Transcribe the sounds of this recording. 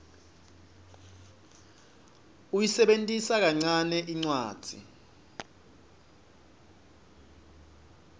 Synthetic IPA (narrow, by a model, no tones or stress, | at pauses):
ujisɛɓentʼisak̬aŋ͡ǀanɛʔiŋ͡ǀwaːd̥ʱḭ